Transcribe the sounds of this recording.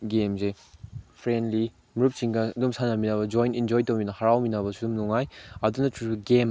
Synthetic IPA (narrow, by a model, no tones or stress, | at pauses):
ɡemze | pʰɾendli | miɾup̚siŋɡɐdumsanaminabɐd͡ʒɔjnind͡ʒojtɐwminɐhaɾawminabɐsudumnuŋajɐdunɐtɾupiɡem